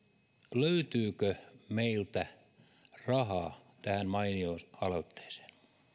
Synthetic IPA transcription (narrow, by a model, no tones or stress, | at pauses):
løyt̪yːkømeilt̪æ | rɑɦɑːt̪æhænmɑiniosɑlot̪ːe̥ːse̥ːn